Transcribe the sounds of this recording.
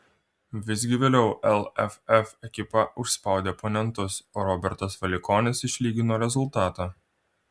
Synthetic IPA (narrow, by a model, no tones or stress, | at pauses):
ʋʲɪz̬ʲɡʲɪʋʲeːlʲɛʊʔɛlˠɛfɛfɛkʲɪpɐʔʊʃspɑˑʊd̪ʲeːponʲɛnt̪ʊsoːɾɔbʲɛɾt̪ɐsʋɐlʲɪkɔːnʲɪsɪʃʲlʲiːɡʲɪnoːɾʲɛzʊlˠt̪ɑːt̪ɑː